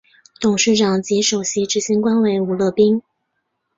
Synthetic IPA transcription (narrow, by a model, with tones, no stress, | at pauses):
t̪ʊ˨˩ŋʂɻ̩˥˩ʈ͡ʂɑ˨˩ŋt͡ɕi˧˥ʂo˨˩ʊɕi˧˥ʈ͡ʂɻ̩˥ɕi˧˥ŋkwa˥nwe˧˥ɪu˨˩lɤ˥˧pi˥ŋ